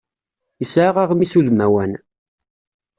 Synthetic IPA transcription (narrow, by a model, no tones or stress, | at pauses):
jəsʕaʁaʁmisuðmæwæn